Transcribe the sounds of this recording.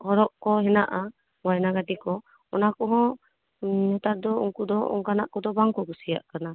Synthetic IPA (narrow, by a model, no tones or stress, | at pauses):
hɔɾɔʔkɔɦɛnaʔa | ajɛnaɡadikɔ | ɔnakɔɦɔ̃ | ɲɔt̪aɾd̪ɔṵŋkud̪ɔʔɔ̰ŋkanaʔkɔd̪ɔbaŋkɔɡusija̰ʔkana